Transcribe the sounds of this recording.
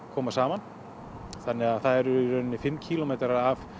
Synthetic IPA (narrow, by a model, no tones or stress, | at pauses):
kʰɔːmasaːman | θanːɛɣaðθaðɛɾʏiɾœːnɪnːɪfɪmːcʰiːlɔmeːjt̪ɾaɾaf